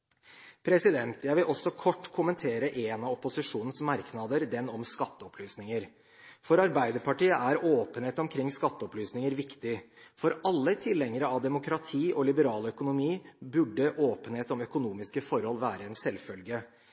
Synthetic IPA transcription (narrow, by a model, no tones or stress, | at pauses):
pʰɾɛsɪd̪ɛnt̪jæɪʋɪlʔɔsːɔkʰɔʈːkʰʊmənt̪ʰeːɾəʔeːnɑɔpʊsɪʂuːnnsmɑɾknɑd̪əɾd̪ɛnɔmskɑt̪ːəɔpʰlyːsnɪŋəɾ | fɔɾɑɾbæɪd̪əɾpʰɑʈiːəʔæɾoːpəneːt̪ɔmkʰɾɪŋːskɑt̪ːəɔplyːsnɪŋəɾʋɪkt̪ɪfɔɾɑlːəɪt̪ʰɪlːɛŋəɾəɑʋd̪ɛmʊkɾɑt̪ʰiːʔɔlɪbəɾɑːlœkʊnʊmiːbʉɖːəʔoːpənheːt̪ɔmœkʊnuːmɪskəfɔɾhɔlːʋæːɾəɛnsɛlfœlɡə